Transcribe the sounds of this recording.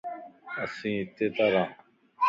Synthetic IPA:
ɐsĩːt̪et̪aɾãː

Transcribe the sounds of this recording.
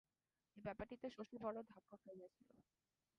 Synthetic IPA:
ebɛpaɾʈːit̪eʃoʃibʱɔɽod̪ʱakːofeiet͡ɕʰilo̰

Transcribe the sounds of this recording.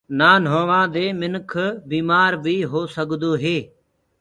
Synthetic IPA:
naːnɦoːʋãːd̪eːmɪnkʰbiːmaːɾbʱiːɦoːsəɠd̪oːɦeː

